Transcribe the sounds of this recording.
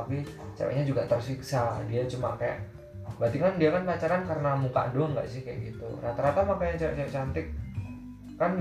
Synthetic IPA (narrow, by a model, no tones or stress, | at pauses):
apit͡ʃa̰wɛ̰ʔɲad͡ʒuɡat̪ərsiksadiat͡ʃuma̰kaja̰ʔ | bat̪iŋkandiakanpat͡ʃaɾankaɾənamuka̰ʔdoŋɡa̰ʔsɪhkaja̰ʔɡit̪ṵɾat̪aɾat̪amakajat͡ʃawɛ̰ʔt͡ʃaaʔt͡ʃant̪ɪk̚ː | an